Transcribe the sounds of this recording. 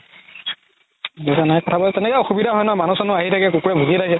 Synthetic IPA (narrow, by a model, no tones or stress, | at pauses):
ɛzanaɛkɔtʰabɔtɛnɛkɛɔxubidʱaɦɔjnɔmanusɔnʊaɦitʰakɛkukuɹɛbʱulitʰakɛ